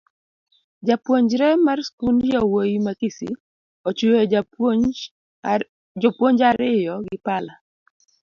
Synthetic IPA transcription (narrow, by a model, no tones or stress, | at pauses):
d͡ʒapwoɲd͡ʒɾɛmarskundjawojimakisḭ | ot͡ʃue | d͡ʒopwoɲd͡ʒaɾɪjɔɡɪpala